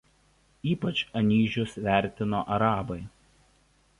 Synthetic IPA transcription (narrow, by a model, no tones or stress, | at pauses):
iːpɐt͡ʃɐnʲiːʒʲʊsʋʲæˑɾʲt̪ʲɪnoːʔɐɾɑːbɐɪ